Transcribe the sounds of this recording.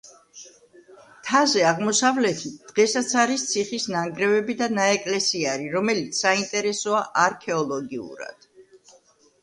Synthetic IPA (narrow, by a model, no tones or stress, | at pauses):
t̪ʰazɛaʁmɔsavlɛt̪ʰit̪̚d̪̥ʁɛsat̪sʰaɾist̪sʰiχisnaŋɡɾɛvɛbid̪anaɛkʼlɛsiaɾiɾɔmɛlit̪sʰsːaint̪ʼɛɾɛsɔaʔaɾkʰɛɔlˠɔɡiṵɾa̰d̪̥